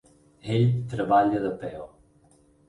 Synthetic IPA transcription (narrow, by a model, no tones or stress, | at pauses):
eʎt̪ɾəβaʎəðəpɛw